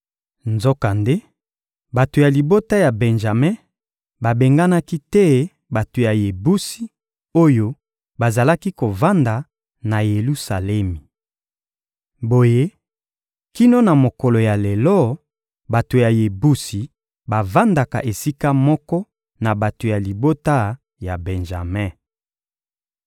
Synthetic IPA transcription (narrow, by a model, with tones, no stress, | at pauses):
nzo˦ka˨nde˦ | ba˨to˨ja˨li˨bo˦ta˦ja˨bɛ˨nʒa˨me˦ | ba˨be˨ŋɡa˦na˦ki˦tɛ˦ | ba˨to˨ja˨je˨bu˦si˦ | o˦jo˦ | ba˨za˨la˦ki˦ko˨va˦nda˨ | na˨je˨lu˦sa˨lɛ˦mi˨ | bo˨je˦ | ki˦no˦na˨mo˨kɔ˨lo˨ja˨le˨lɔ˦ | ba˨to˨ja˨je˨bu˦si˨ | ba˨va˦nda˨ka̰˨ʔe˨si˦ka˦mɔ˦kɔ˦ | na˨ba˨to˨ja˨li˨bo˦ta˦ | ja˨bɛ˨nʒa̰˨mɛ̃˦